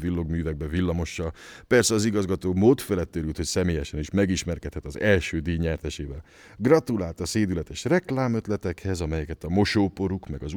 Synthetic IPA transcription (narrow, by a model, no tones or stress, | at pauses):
vilːo̞ɡmyːvɛɡ̚bɛvilːɒmo̞ʃːɒpɛrsɛɒziɡɒzɡɒt̪oːmoːt̪fɛlɛt̪ːøɾylt̪ho̞csɛmeːjɛʃɛniʃmɛɡiʃmɛrkɛt̪hɛt̪ɒzɛlʃøːd̪iːɲɛrt̪ɛʃeːvɛl | ɡrɒt̪ulaːlt̪ɒseːd̪ylɛt̪ɛʃrɛklaːmøt̪lɛt̪ɛkhɛzɒmɛjɛkɛt̪ɒmo̞ʃoːpo̞ɾukmɛɡɒz